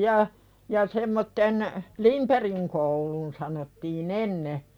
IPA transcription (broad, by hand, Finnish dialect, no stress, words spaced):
jɑ jɑ semːotːen limperiŋ koulun sɑnotːiːn enːe